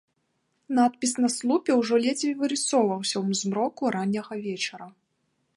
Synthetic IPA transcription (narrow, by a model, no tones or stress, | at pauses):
nat̪̚pʲisnɐslˠupʲɛwʐɔlʲɛd͡z̪ʲvʲivɨɾɨsɔwvɐwsʲɐwmzmɾɔkuɾanʲːɐɣɐvʲɛt͡ʂɐɾɐ